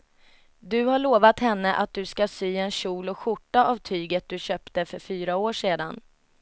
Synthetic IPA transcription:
d̪ɵhaɭoːvat̪hɛnːəʔat̪̚d̪ɵskasyːɛnɕuːlɔkɧʊʈːaʔavt̪ʰyːɡət̪̚d̪ɵɕœːpt̪əfœɾfyːɾaoːʂeːd̪an

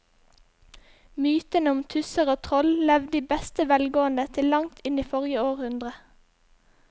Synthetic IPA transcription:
myːt̪ənəʊmt̪ʰʉsəʁoːt̪ʰʁɔllɛʋd̪iːbɛst̪əʋɛlɡoːənət̪ʰɪllɑŋt̪ʰɪniːfɔʁjəoːʁhʉnd̪ʁə

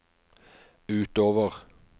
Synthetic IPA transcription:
ʉːt̪oːʋəʁ

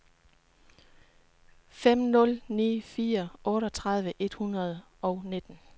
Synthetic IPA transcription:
fem̰nɔ̽lnḭːfiːɐʔɔ̽ːɾɒt͡sʰʁɑð̞ˠʋəʔe̝d̥hunʁɐð̞̩ˠ | ɒ̽ʊne̝d̥n̩

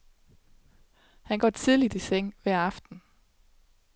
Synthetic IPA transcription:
hænɡ̥ɒ̰t͡sʰið̞ˠlid̥iseŋ̰ʋæɐ̰ɑ̈fd̥n̩

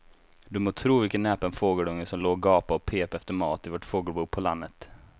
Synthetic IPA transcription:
d̪ɵmoːt̪ʰɾuːvɪlkənnːɛːpaɛnfoːɡəɖɵŋːəsɔmloːɡɑːpaɔpʰeːpɛft̪əmɑːt̪ɪvoʈfoːɡəlbuːpʰɔlanːət̪

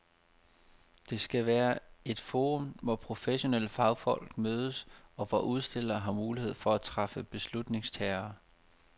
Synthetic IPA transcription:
d̥e̝sɡ̥æʋæːɐe̝d̥fo̝ːʁɔmʋɒpʰʁo̝feɕo̝nel̰əfɑ̈ʊfɒ̽l̰ɡ̥møːð̞ˠəsɒ̽ʋɒʔuð̞ˠsd̥e̝l̰ɐːɦɑ̈muːlihe̝ð̞̰ˠfɒ̽æt͡sʰʁɑfəb̥e̝slud̥ne̝ŋst͡sʰɛːɐː

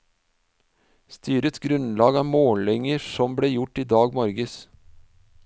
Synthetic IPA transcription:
st̪ʰyːɾət̪ɡɾʉnlɑːɡɑːmoːlɪŋəsɔmbɽeːjʊʈiːd̪ɑːɡmɔɾɡəs

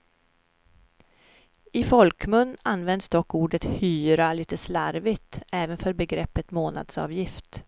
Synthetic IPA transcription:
ɪfɔlkmɵnːanːvɛnd̪sd̪ɔkːuːɖət̪hyːɾaliːt̪əslaɾvɪt̪ɛːvənfœɾbɛɡɾɛpːət̪moːna̰d̪sɑ̰ːvjɪft̪

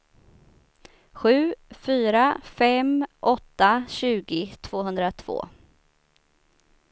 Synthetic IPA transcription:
ɧʉ̟ːfyːɾafɛmʔɔt̪ːaɕʉ̟ːɡɪt̪ʰv̥oːɦɵnd̪ɾat̪ʰv̥o̰ː

